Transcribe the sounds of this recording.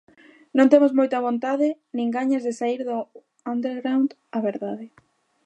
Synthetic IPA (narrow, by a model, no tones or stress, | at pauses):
nõnt̪emʊzmojt̪ɐβ̞ont̪aðɪ | nĩŋɡaɲazðɪsaiɾðʊ | and̪eɾɣɾawnd̪ | aβeɾðaðɪ